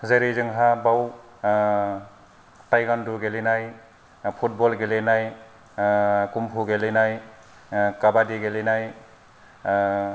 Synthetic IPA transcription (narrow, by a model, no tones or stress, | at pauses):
zeɾezɯŋɦabaw | tajɡanduɡelenaj | pʰut̚bɔlɡelenaj | kumpʰuɡelenaj | kabadiɡelenaj